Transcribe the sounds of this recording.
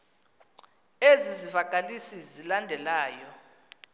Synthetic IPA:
ezizivaɡ̥ʱalisizilandʱɛlaːjɔ

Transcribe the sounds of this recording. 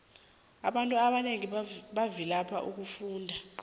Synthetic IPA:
a̰ɓantʼuaɓaneŋiɓavilapʰa̰ʔuk̬ufuːndʱa

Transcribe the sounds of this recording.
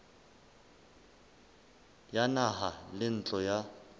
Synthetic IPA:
janaɦalɪn̩t͡ɬʼɔja

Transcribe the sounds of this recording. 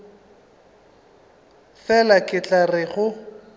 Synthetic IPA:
fɛlakʼɪt͡ɬʼarɪɣʊ

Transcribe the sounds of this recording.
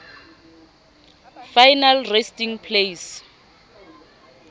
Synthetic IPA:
fajnalrestiŋpʰles

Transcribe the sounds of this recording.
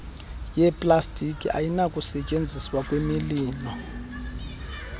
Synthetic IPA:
jɛpʼlastʼikʼia̰jinakʼusɛt͡ʃʼend͡zʱiswakʼwemiliːlɔ

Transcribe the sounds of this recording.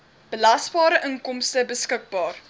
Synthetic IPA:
b̥əlɐsbɑːɾəʔəŋkɔmstəbəskək̚bɑːr

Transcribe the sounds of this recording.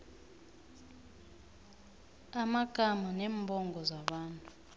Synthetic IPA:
amaɡ̥ʱamanɛmbʱɔŋɡʱɔzaɓaːntʼu

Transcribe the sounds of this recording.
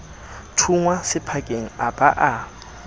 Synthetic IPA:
tʰuŋwasɪpʰakʼeŋ̩abaʔa

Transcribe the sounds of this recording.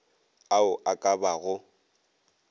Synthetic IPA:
aʊʔakʼabaɣʊ

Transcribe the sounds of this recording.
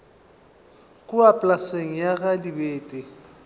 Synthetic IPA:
kʼʊapʼlaseŋ̩jaɣadibeːtʼɪ

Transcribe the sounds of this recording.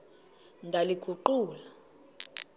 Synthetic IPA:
ndʱaliɡ̥ʰʱuǃuːla

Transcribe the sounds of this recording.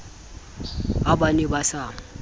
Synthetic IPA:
abanɛbasaːŋ̩

